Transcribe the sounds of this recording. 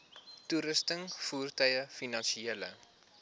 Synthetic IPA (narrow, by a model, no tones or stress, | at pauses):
tuɾəstəŋfuːrtœjəfinɐnʃieələ̰